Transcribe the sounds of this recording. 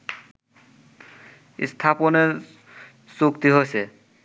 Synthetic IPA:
st̪ʰapone | sukt̪iɦojsʰe

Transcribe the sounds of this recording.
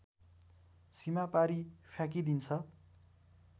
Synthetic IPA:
simapaɾifʰjak̬id̪int͡sʰʌ

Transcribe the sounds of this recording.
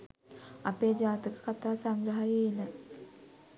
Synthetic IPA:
apeːd͡ʒaːt̪əkə̥kat̪aːsaŋɡɾəɦajeinə

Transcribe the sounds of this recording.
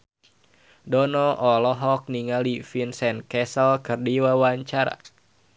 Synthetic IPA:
dɔnɔʔɔlɔɦɔk̚niŋalifinsɛnkɛsəlkɨrdiwawaɲt͡ʃaɾa̰

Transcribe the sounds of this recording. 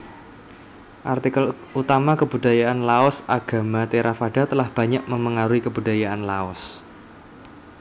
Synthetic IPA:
ʔart̪ikəl | ut̪amakəbṳda̤jaʔanlaɔsaɡ̥a̤mat̪eɾafaɖ̥a̤t̪əlahb̥a̤ɲaʔməməŋaɾuikəbuda̤jaʔanlaɔs

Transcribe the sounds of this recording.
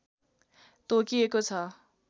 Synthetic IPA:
t̪okiekot͡sʰʌ

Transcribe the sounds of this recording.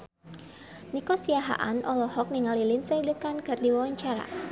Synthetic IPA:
nikɔsiaɦa̰ʔanʔɔlɔhɔk̚niŋalilinsəidəkankɨrdiwawaɲt͡ʃaɾa̰

